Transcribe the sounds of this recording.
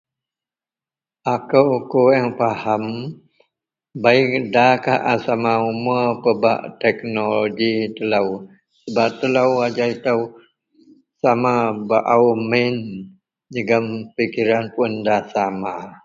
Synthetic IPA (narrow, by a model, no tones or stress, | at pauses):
ʔakəwkowɛŋpaham | baik̚daka̰hʔasamaumuəpəba̰ʔt̪ɛk̚nolloɡit̪ələw | səbap̚t̪ələwad͡ʒait̪əw | samabaʔawmin | d͡ʒəɡəmpikiɾanpəndasama